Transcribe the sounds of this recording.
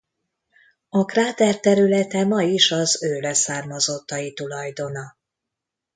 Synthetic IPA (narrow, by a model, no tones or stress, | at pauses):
ɒkraːt̪ɛrt̪ɛɾylɛt̪ɛmɒjiʃɒzøːlɛsaːrmɒzot̪ːɒjit̪ulɒjd̪o̞nɒ